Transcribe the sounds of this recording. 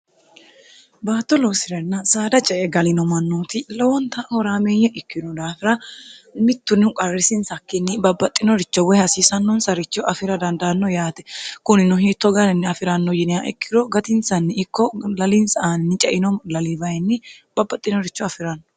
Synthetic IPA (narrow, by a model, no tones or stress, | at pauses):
baːt̪ːɔloːsɪɾɐnːɐsaːd̪ɐt͡ʃʼɛʔɛɡɐlɪnɔmɐnːoːt̪ɪlɔwɔnt̪ɐhɔɾaːmeːjːɐʔɪkʰːɪd̪ɔd̪aːfɪɾɐmɪt̪ːʊnːɪʊkʼɐrːɪsɪnsɐkːɪnːɪbɐbːɐt̪ʼːɪnɔɾɪt͡ʃːɔwɛhɐsiːsɐnːɔnsɐɾɪt͡ʃːɔʔɐfɪɾɐd̪ɐnd̪ɐnːɔjaːt̪ɛ̥kʊnɪnʊɦiːt̪ːɔɡɐɾɛnːɪɐfɪɾɐnːɔjɪnɪjaʔɪ̰kːɪd̪ɔɡɐt̪ɪnsɐnːɪɪkːɔlɐlɪnsɐʔaːnɪnːɪt͡ʃʼɛʔɪnɔlɐlibɐjɛnːɪb̥ɐbːɐt̪ʼːɪnɔɾɪt͡ʃːɔɐfɪɾɐnːɔ